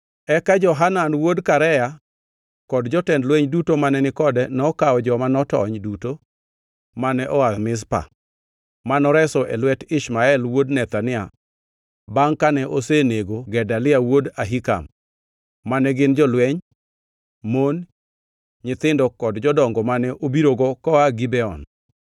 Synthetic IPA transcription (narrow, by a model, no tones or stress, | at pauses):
ɛkad͡ʒɔɦananwodkaɾɛja | kɔdd͡ʒɔtɛndlwɛɲdutomanɛnɪkɔdɛnɔkaɔd͡ʒɔmanɔtɔ̰ɲduto | manɛʔɔwaðmɪs̬pa̰ | manɔɾɛsɔʔɛlwɛtɪʃmaɛlwodnɛt̪anɪa | baŋkanɛʔoseneɡoɡɛdalɪawodaɦika̰mː | anɛɡɪnd͡ʒɔlwɛɲ | mon | ɲɪt̪ɪndɔkɔdd͡ʒɔdɔŋɡɔmanɛʔobiɾoɡɔkɔaɡɪbɛɔ̰n